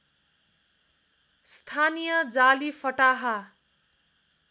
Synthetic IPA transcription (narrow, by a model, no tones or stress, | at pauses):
st̪ʰanijʌd͡zalifʰʌʈaɦa